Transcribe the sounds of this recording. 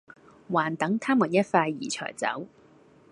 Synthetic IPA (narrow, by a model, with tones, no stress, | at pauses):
waː˨˩nt̪ɐ˨˥ŋt̪ʰaː˥muː˨˩njɐ˥t̚faː˧jːḭː˨˩t͡sʰœ̰ː˨˩jt͡sɐ̰˨˥w